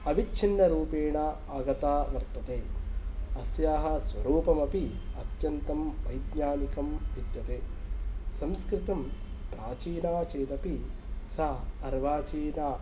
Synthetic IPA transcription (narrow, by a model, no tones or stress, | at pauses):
ɐʋit͡ʃʰinːɐɾuːpeːɳɐ | aɡɐt̪aːʋɐɾt̪ɐt̪eː | ɐsjaːɦɐ̆sʋɐɾuːpɐmɐpiɐt̪jɐnt̪ɐmʋɐjɡɲaːnikɐmid̪jɐt̪eːsɐmskɾit̪ɐm | pɾaːt͡ʃiːnaːt͡ʃeːt̪ɐpi | saːɐɾʋaːt͡ʃiːnaː